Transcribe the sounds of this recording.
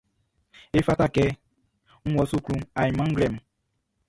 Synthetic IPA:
e˦fa˦ta˦kɛ˦ | ŋ̩˦wɔ˨su˦klũ˦a˨ji˨mã˦ŋ̩˦ɡlɛ˦˨m̩˨

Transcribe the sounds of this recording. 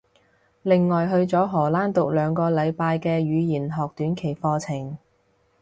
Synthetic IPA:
lɪ˨ŋːɔː˨jɦɵ˧ɥt͡sɔː˨˥ɦɔː˨˩laː˥nt̪ʊ˨k̚lœː˨˧ŋkɔː˧lɐ˨˧jpaː˧jkɛː˧ɥyː˨˧jiː˨˩nɦɔː˨k̚t̪yː˨˥nkʰe˨˩jfɔː˧t͡sʰɪ˨˩ŋ

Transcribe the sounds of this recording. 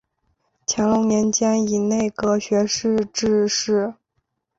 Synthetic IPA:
t͡ɕʰjɛ˧˥ŋlʊ˧˥ŋnjɛ˧˥nt͡ɕjɛ˥ni˨˩ne˥˩ɪkɤ˧˥ɕɥɛ˧˥ʂɻ̩˥˧ʈ͡ʂɻ̩˥˧ʂɻ̩˥˩

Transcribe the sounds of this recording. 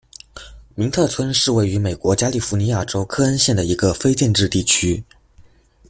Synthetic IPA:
mi˧˥ŋt̪ʰɤ˥˩t͡sʰwə˥nʂɻ̩˥˧we˥˩ɪy˧˥me˨˩ɪkwɔ˧˥t͡ɕja˥li˥˩fu˧˥ni˧˥ja˥˩ʈ͡ʂo˥ʊkʰɤ˥ə˥nɕjɛ˥˩nd̪ə˩i˧˥ɡə˧fe˥ɪt͡ɕjɛ˥˧nʈ͡ʂɻ̩˥˧t̪i˥˩t͡ɕʰy˥

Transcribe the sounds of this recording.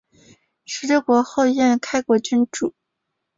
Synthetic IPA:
ʂɻ̩˧˥t͡ɕɛ˥kwɔ˧˥xo˥˧ʊjɛ˥˩nkʰa˥ɪkwɔ˧˥t͡ɕy˥nʈ͡ʂu˨˩˦

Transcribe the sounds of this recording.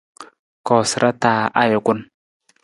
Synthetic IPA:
kɔ˨sɾʔa˦taː˨ʔa˦jɪ˨kʊ˦n

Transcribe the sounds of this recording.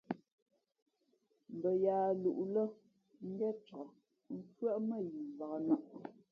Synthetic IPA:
m̩˨bə˨jaː˨lu˨ʔlə˦ | ŋ̩˦ɡɛ˦t͡ʃɔ˨ | ŋ˦p͡fɥə˦ʔmə˦˨ji˨ba˨a˨na˦˨ʔ

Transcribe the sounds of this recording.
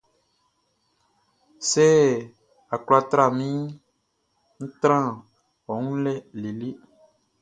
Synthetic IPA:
se˦ | a˨kla˦t̪ɾa˨mĩ˦ | ŋ̩˦t̪ɾã˦ | wɔ˨ŋũ˦lɛ˦li˨li˦

